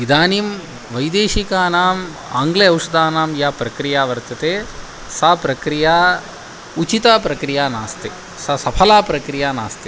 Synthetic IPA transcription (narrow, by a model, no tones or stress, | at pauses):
id̪aːnim | ʋɐjd̪eːʃikaːnaːm | a̰ːŋɡleɐwʂɐd̪aːnaːmjaːpɾɐkɾijaːʋɐɾt̪ɐt̪eː | saːpɾɐkɾijaː | ut͡ʃit̪aːpɾɐkɾijaːnaːst̪e | sɐsɐpʰɐlaːpɾɐkɾijaːnaːst̪e